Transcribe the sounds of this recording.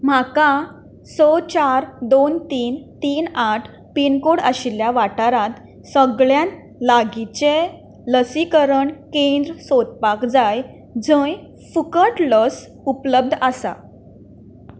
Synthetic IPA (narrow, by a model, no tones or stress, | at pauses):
m̤akã | sɔt͡ɕaɾd̪ont̪iːnt̪iːnaʈʰ | pinkoɽəɕiljaʋaʈaɾãt̪ | səɡɭjãn | laɡit͡ɕe | ləsikəɾəɳkẽnd̪ɾəsod̪̚pakd͡zaj | d͡zə̃j | fukəʈləs | upləb̚d̪ʱəsa̰